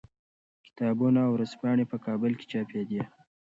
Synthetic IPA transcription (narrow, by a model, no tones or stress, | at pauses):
kɪ̥t̪ɑːbunaːwɾazpɑɳ̃epəkɑbəlke̥t͡ʃɑped̪e